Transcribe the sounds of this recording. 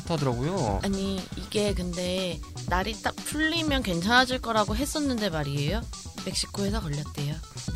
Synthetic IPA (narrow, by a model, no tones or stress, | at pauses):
tʰadɯɾaɡojoaɲiiɡe̞kɯnde̞naɾit͈akpʰuʎːimjʌnkwe̞nt͡ɕʰanɦad͡ʑiɭk͈ʌɾaɡoɦe̞s͈ʌnːɯnde̞maɾie̞jome̞k̚ɕ͈i̥kʰoe̞sʰʌkʌʎːʌt͈e̞jo